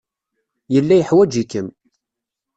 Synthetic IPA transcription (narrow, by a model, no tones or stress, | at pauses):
jəlːæjəħwæd͡ʒikəm